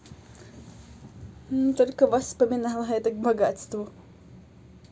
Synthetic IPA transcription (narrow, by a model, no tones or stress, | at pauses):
nt̪olʲkəvɐspəmʲɪnalˠəɦɛt̪əkbɐɡat̪st̪vʊ